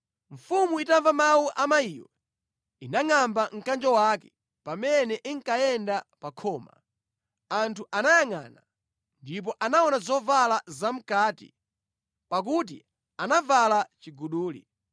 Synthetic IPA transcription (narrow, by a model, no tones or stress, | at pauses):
ɱ̩fumuitaɱvamawuʔamaijɔ̰ | inaŋambaŋ̩kand͡ʒɔwakɛ̥ | pamɛnɛʔiŋkajɛndapakʰɔːma̰ | antʰuʔanajaŋa̰ːna | ndip̬ɔʔanaɔnazɔvalazam̩kaːtḭ | pak̬ut̬ḭ | anavalat͡ʃiɡuɗuːlḭ